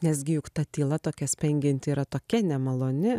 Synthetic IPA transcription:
nʲɛs̬ɡʲɪjʊkt̪ɐt̪ʲiːlˠɐt̪oːkʲɛsʲpʲɛŋʲɡʲɪnʲt̪ʲɪiːɾɐt̪oːkʲɛnʲɛmɐlˠoːnʲɪ

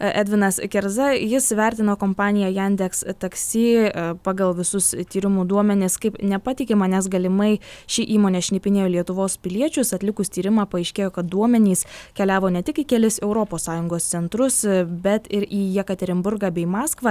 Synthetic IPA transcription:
ʔæd̪ʲʋʲɪnɐskʲɛɾzɐjɪsʋʲɛɾʲt̪ʲɪnoːkoːmpɑːnʲɪjɛjænʲd̪ʲɛkst̪ɐksʲiːpɑːɡɐlˠʋʲɪsʊst̪ʲiːɾʲɪmuːd̪uɔmʲɛnʲɪskɐɪpnʲɛpɑt̪ʲɪkʲɪmɐnʲɛs̬ɡɐlʲɪmɐɪʃʲɪʔiːmoːnʲɛʃʲnʲɛpʲɪnʲeːjoːlʲiɛt̪ʊʋoːspʲɪlʲiɛt͡ʃʲʊsɐt̪ʲlʲɪkʊst̪ʲiːɾʲɪmɑːpɐɛɪʃʲkʲeːjoːkɐt̪̚d̪uɔmʲɛnʲiːskʲɛlʲæːʋoːnʲɛt̪ʲɪkikʲɛlʲɪsɛʊɾoːpoːsːɑːjʊŋɡoːst̪sʲɛnt̪ɾʊsbʲɛt̪ɪɾiːjɛkɐt̪ʲɛɾʲɪmbʊɾɡɑːbʲɛɪmɑːskʋɑː

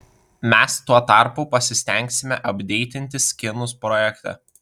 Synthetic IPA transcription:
mʲɛst̪uɔt̪ɑˑɾpʊpɐsʲɪsʲt̪ʲɛŋʲksʲɪmʲɛʔɐbʲd̪ʲɛɪt̪ʲɪnʲt̪ʲɪsʲkʲɪnʊspɾɔjɛkt̪ʲɛ̰

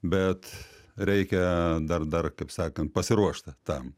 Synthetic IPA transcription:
bʲɛt̪ɾʲɛɪkʲɛd̪ɐrd̪ɐrkɐɪpsɑːkɐnt̪̚pɐsʲɪɾuɔʃt̪ɐt̪ɐm

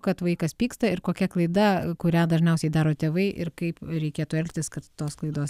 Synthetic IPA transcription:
kɐt̪ʋɐɪkɐspʲiːkst̪ɐɪɾkoːkʲɛklˠɐɪd̪ɐkʊɾʲæːd̪ɐʒʲnʲɛʊsʲɛɪd̪ɑːɾoːt̪ʲeːʋɐɪʔɪrkɐɪpɾʲɛɪkʲeːt̪uɛlʲkʲt̪ʲɪskɐt̪ːoːsklˠɐɪd̪oːs

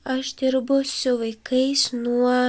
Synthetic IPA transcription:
ɐʃd̪ʲɪɾbʊsʲʊʋɐɪkɐɪsnuɔ

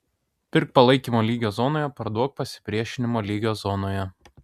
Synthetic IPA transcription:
pʲɪɾk̚pɐlˠɐɪkʲiːmoːlʲiːɡʲoːzɔnoːjɛpɐɾd̪uɔk̚pɐsʲɪ̥pʲɾʲiɛʃʲɪnʲɪmoːlʲiːɡʲoːsɔnoːjɛ

